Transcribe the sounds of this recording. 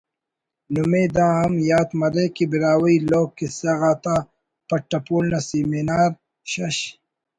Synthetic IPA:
numeːd̪ãːɐmjaːt̪mɐɾeːkibiɾaːwɐiloːkːisɐɣaːt̪aː | pɐʈːɐpuːlnɐsiminaːɾ | ɕɐɕ

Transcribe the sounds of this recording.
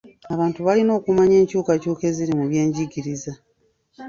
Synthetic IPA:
aβaːntuβalino̞ːkumaɲe̞ːɲcuːkacuːke̞ziɾimuβje̞ːɲɟiɡiɾiza

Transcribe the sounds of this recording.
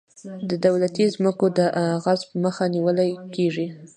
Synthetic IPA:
d̪əd̪awlat̪izməkod̪əʔaɣazpəməxaniwəlajkeʐi

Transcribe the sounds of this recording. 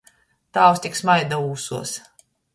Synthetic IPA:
t̪aːwst̪iksmajd̪auːsuɔs

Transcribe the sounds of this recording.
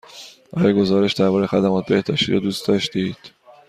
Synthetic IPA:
ɒɾjeɡo̞zɒːɾe̞ʃd̪æɾbɒːɾe̞xæd̪æmɒːt̪̚ʰbe̞hd̪ɒːʃt̪ḭːɾɒ̰d̪uːst̪d̪ɒːʃt̪id̪̥

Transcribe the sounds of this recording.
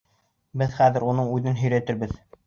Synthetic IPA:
bɘðχæðɘ̆ɾunɤɴʉðɘnɦɵ̆jɾæt̪ɘɾbɘð

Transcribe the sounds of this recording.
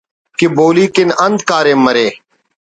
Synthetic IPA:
kɪboːliːkɪnə̃nd̪kaːɾẽːməɾeː

